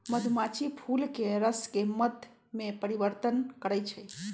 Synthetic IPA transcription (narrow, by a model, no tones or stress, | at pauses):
məd̪ʱumat͡ʃʰipʰulkeɾəskeməd̪ʱj | mepəɾibəɾt̪ənkəɾəjt͡ʃʰəj